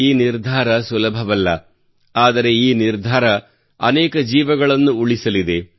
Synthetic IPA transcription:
iːniɾd̪ʱaːɾɐsulɐbʱɐʋɐlːɐ | aːd̪ɐɾe̞iːniɾd̪ʱaːɾɐ | ɐ̰nɛːkɐd͡ʒiːʋɐɡɐɭɐnːuuɭisɐlid̪e̞

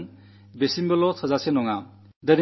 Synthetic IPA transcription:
n | besimbɐlɔtʰɐzasenɔŋa | dɐn

